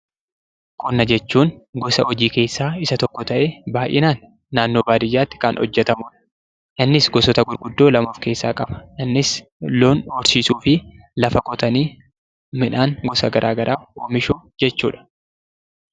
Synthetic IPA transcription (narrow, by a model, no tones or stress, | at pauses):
kʼɔnːɐd͡ʒɛt͡ʃːuːŋɡɔsɐʔɔd͡ʒiːke̞ːsːaːɪsɐt̪ɔkːɔt̪ɐʔeːbaːʔɪ̰naːnː | aːnːoːbaːd̪ɪjaːt̪ːɪ̥kɐnɔ̰d͡ʒːɛt̪ɐmʊːᶑɐ̥ | ʔɪnːɪsɡɔsɔt̪ɐɡʊɾɡʊd̪ːo̞ːlɐmoːfke̞ːsːaːkʼɐbɐ̥ʔɪnːɪslo̞ːnɔɾsiːsuːfɪ | lɐfɐkʼɔt̪ɐniː | mɪᶑaːŋɡɔsɐɡɐɾʔaːɡɐɾʔaːo̰ːmɪʃoːd͡ʒɛt͡ʃːuːᶑɐ̥